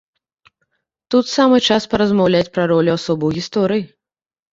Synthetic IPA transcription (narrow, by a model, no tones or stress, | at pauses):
t̪ut̪samɨt͡ʂaspɐɾɐzmawlʲat͡sʲpɾɐɾɔlʲuasɔbɨwɣʲist̪ɔɾɨji